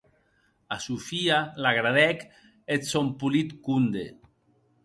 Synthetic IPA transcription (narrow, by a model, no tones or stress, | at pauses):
asufialaɣɾaðɛk | et̪sompulit̪kund̪ḛ